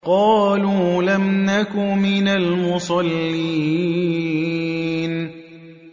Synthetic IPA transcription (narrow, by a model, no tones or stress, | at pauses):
qɑːluːlamnakʊmɪnalmʊsˤɑlːiː | n